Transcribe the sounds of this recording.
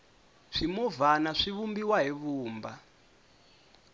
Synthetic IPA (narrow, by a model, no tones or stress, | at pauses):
ʂimuvanaʂiβumbiwaɦiβuːmba